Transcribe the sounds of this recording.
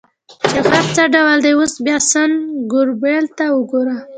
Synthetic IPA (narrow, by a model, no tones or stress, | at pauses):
t͡ʃexaɾt͡səɖawald̪ejosbjɑsənɡʊɾbelt̪awəɡoɾa